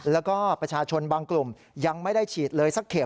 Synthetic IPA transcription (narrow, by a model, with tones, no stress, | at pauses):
lɛː˦˥wkɔː˥˩pɾa˧t͡ɕʰaː˧t͡ɕʰo˧nbaː˧ŋklu˨˩m | ja˧ŋma˥˩jda˥˩jt͡ɕʰiː˨˩t̪̚lɤː˧jsa˦˥kʰːe˨˩